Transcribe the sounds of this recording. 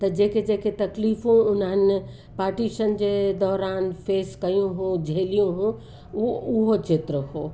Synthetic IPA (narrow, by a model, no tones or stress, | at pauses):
t̪ɐd͡ʑeːked͡ʑeːket̪ɐkliːfũʊnəɦən | paːɾʈiːʃənd͡ʑeːd̪ɔːɾaːnfeːskɐjũɦũd͡ʑʱeːlijũɦũ | ʊɦot͡ɕɪt̪ɾəɦoː